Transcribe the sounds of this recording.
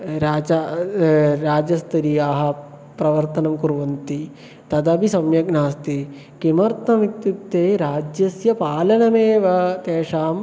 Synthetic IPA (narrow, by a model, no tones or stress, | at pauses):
ɾaːd͡ʒa | ɾaːd͡ʒɐst̪ɐɾijaːɦɐ̆ | pɾɐʋɐɾt̪ɐnɐmkuɾʋɐnt̪i | t̪ɐd̪ɐbisɐmjɐɡnaːst̪i | kimɐɾt̪ɐmik̪̚jup̚t̪eːɾaːd͡ʒjɐsjɐpaːlɐnɐmeːʋɐt̪eːʂaːm